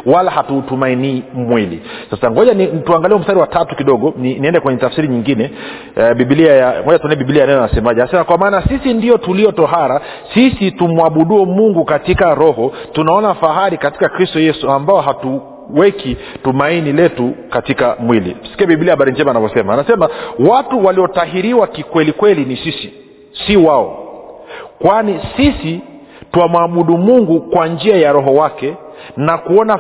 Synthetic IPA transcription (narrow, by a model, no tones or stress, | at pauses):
walahatutumainiːmwilḭsasaŋɡɔʄanituaŋɡaliɛum̩staɾiwatatukiɗɔɠɔniniɛndɛkwɛɲɛtafsiɾiɲiŋɡinɛ | ɓiɓiliajaŋɡɔʄatunaiɓiɓiliaanɛnanasɛmaʄɛnasɛmakwamaːnasisindiɔtuliɔtɔɦaɾa | sisitumwaɓuɗuɛmuŋɡukatikaɾɔhɔtunaɔnafaɦaɾikati̥kakɾistɔjɛsuambaɔɦatu | wɛkitumainilɛtukatikamwilḭm̩si̥kiabiɓiliahaɓaɾind͡ʒɛmanavɔsɛmanasɛmawatuwaliɔtaɦiɾiwakikwɛlikwɛlinisisi | siwaɔ̰ | kwanisisi | tuamwaɓuɗumuŋɡukwand͡ʒiajaɾɔɦɔwakɛnakuɔna